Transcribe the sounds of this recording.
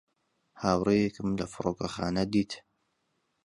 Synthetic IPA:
haːwrejekɨmlɐfɨɾoːkɐxaːnɐd̪iːt̪

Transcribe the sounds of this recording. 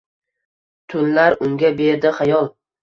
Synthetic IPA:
t̪ʰʊnlaɾʊŋɡʲabe̞ɾd̪ɪχajɒlˠ

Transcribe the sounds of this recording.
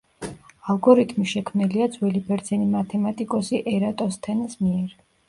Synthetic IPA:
alˠɡɔɾit̪ʰmiʃɛkʰmniliad̪zwɛlibɛɾd̪zɛnimat̪ʰɛmat̪ʼikʼɔsiʔɛɾat̪ʼɔst̪ʰɛnsmiɛɾ

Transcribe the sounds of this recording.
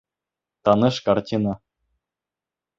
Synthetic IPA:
t̪ɑnɤ̆ʂkɑrtʲinɑ

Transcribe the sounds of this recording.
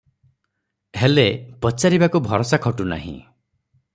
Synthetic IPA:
ɦelepɔt͡ʃaɾibakubʱɔɾɔsakʰɔʈuna̰ɦḭ̃

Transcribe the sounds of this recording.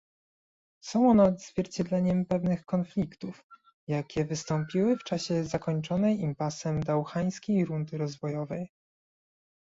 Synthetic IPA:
sɔ̃w̃ɔnɛd̪zvʲjɛɾt͡ɕɛd̪lɛɲɛmpɛvnɘxkɔnflʲikt̪uf | jakʲɛvɘst̪ɔmpʲiwɘft͡ʂaɕɛzakɔɲt͡ʂɔnɛjimpasɛmd̪awxaj̃skʲejɾund̪ɘɾɔzvɔjɔvɛj

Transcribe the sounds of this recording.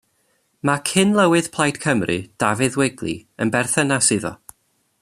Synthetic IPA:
makʰɪnlˠəwɨð̥pʰlˠajd̥kʰəmrʔɨd̥avɪðwɛɡlˠḭənbɛrθənasɨðɔ̰

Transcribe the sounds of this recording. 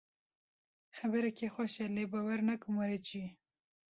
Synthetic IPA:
xabəɾakexwaʃalebawaɾnakumaɾet͡ʃi

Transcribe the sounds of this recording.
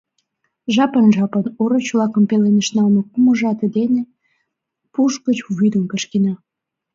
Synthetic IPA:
ʒɑpənʒɑpənoɾot͡ɕlɑkəmpelenəʃnɑlmekuməʒɑt̪ed̪ene | puʃkət͡ɕvujd̪umpeʃkenɑ

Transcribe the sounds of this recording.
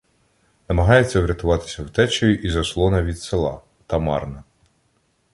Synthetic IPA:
nɐmɐɦɑjet͡sʲːɐwɾʲɐt̪ʊʋɑt̪ɪ̥sʲɐwt̪ɛt͡ʃɔjʊʔizɐslˠɔnɐʋʲid̪selˠɑ̰ | t̪ɐmɑ̰rnɐ

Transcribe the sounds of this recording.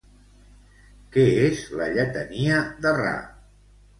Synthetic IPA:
kɛezlə̰ʎət̪əniəðəra̰

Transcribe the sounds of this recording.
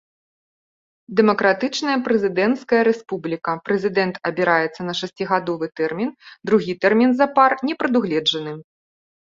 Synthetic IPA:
d̪ɛmɐkɾat̪ɨt͡ʂnɐjɐpɾɛzʲɨd̪ɛnt̪skɐjɐɾɛspublʲikɐpɾɛzʲɨd̪ɛnt̪ɐbʲiɾajɛt̪sːɐnɐʂasʲt͡sʲiɣad̪ɔvɨt̪ɛrmʲind̪ɾuɣʲit̪ɛrmʲinzɐparnʲɛpɾɐd̪uɣlʲɛd͡ʐɐnɨ

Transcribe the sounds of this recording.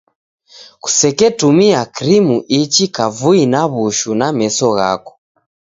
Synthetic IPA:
ku̥sɛkɛtumiakiɾimuʔit͡ʃikavuinaβuʃunamɛsɔɣa̰kɔ̥

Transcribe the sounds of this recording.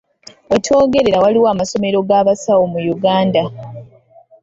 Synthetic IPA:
wetʰo̞ːɡe̞ɾe̞ɾawaliwaːmaso̞me̞ɾo̞ɡaːβasawo̞mujuɡaːnda

